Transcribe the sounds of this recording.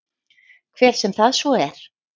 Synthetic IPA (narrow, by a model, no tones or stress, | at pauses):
kʰv̥ɛːɾ̥sɛmθaðsvɔɛɾ̥